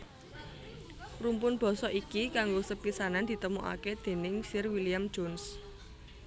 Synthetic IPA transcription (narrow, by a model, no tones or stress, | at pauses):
rumpʊnb̥ɔ̤sɔʔikikaŋɡosəpisanand̪̥i̤t̪əmoʔa̰ked̪̥e̤nɪŋsɪrwilijamd̥d͡ʒons